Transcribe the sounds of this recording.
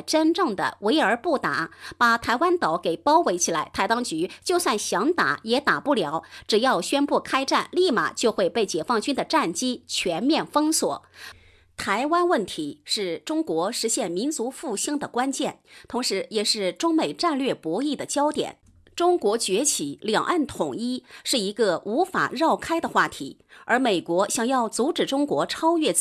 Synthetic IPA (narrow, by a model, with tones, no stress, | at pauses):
ʈ͡ʂə˥nʈ͡ʂɤ˥˩ŋd̪ə̰˩we˧˥ɪə˞˧˥pu˥˩t̪a˨˩˦pa˨˩t̪ʰa˧˥ɪwa˥nt̪ɑ˨˩˥ʊke˨˩ɪpɑ˥ʊwe˧˥ɪt͡ɕʰi˨˩la˧˥ɪt̪ʰa˧˥ɪt̪ɑ˥ŋt͡ɕy˧˥t͡ɕjo˥˧ʊswa˥˩nɕjɑ˧˥ŋt̪a̰˨˩˦jɛ˧˥t̪a˨˩pu˥˩ljɑ˧˥ʊʈ͡ʂɻ̩˨˩jɑ˥˩ʊɕɥɛ˥npu˥˩kʰa˥ɪʈ͡ʂa˥˩nli˥˩ma̰˨˩t͡ɕjo˥˧ʊxwe˥˧ɪpe˥˩ɪt͡ɕjɛ˨˩fɑ˥˩ŋt͡ɕy˥nd̪ə˨˩ʈ͡ʂa˥˩nt͡ɕi˥t͡ɕʰɥɛ˧˥nmjɛ˥˩nfɤ˥ŋswɔ̰˨˩˦ | t̪ʰa˧˥ɪwa˥nwə˥˩nt̪ʰi˧˥ʂɻ̩˥˩ʈ͡ʂʊ˥ŋkwɔ˧˥ʂɻ̩˧˥ɕjɛ˥˩nmi˧˥nt͡su˧˥fu˥˩ɕi˥˩ŋd̪ə˩kwa˥nt͡ɕjɛ˥˩nt̪ʰʊ˧˥ŋʂɻ̩˧˥jɛ˨˩ʂɻ̩˥˩ʈ͡ʂʊ˥ŋme˨˩ɪʈ͡ʂa˥˧nlɥɛ˥˩pwɔ˧˥i˥˩d̪ə˩t͡ɕjɑ˥ʊt̪jɛ̰˨˩˦n | ʈ͡ʂʊ˥ŋkwɔ˧˥t͡ɕɥɛ˧˥t͡ɕʰi˧˥ljɑ˨˩ŋʔa˥˩nt̪ʰʊ˨˩ŋi˥ʂɻ̩˥˩i˧˥ɡə˧u˧˥fa̰˨˩ɻɑ˥˩ʊkʰa˥ɪd̪ə˨xwa˥˩t̪ʰḭ˧˥ə˞˧˥me˨˩ɪkwɔ˧˥ɕjɑ˨˩ŋjɑ˥˩ʊt͡su˧˥ʈ͡ʂɻ̩˨˩ʈ͡ʂʊ˥ŋkwɔ˧˥ʈ͡ʂʰɑ˥ʊɥɛ˥˩